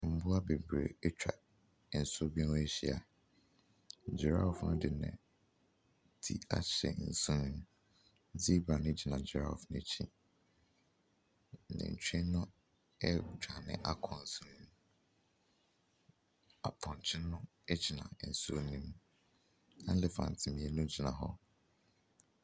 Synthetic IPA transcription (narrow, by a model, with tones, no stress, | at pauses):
m̩˦bʊ˦a˦be˨bɾḛ˨e˦t͡ɕᶣa̰˨ | n̩˨so˦bĩ˦n˦e˦ɕi˦a̰˨ | d͡ʒɪ˨ɾa̰˦˨fnʊ̃˦dɪ˨nɛ̰̃˨ | tʰḭ˦a˦ɕɛ̰˨n̩˨su˦nĩ˦m˦ | d͡zi˦bɾa˨nɪ̃˦d͡ʑi˨nã˨d͡ʑi˨ɾa˦˨fnɪ˦t͡ɕʰĩ˦˨ | nɛ̰̃˨n̩˨t͡ɕʰᶣɛ˦nʊ̃˦ | ɛ˦d͡ʒᶣa˨nɪ̰̃˦ʔa˦kʰɔ̃˨n̩˨sũ˦nĩ˦ | a˨pʰɔ̃˨n˨t͡ɕʰɪ̃˦nʊ̃˦ | ɛ˦d͡ʑi˨nã̰˨n̩˨su˦o˦nĩ˦m | ã˦n̩˦lɪ˦fã̰˨n˨tʰɪ˨mĩ˨e˦nʊ̃˦d͡ʑʰi˨nã˨ɦɔ˦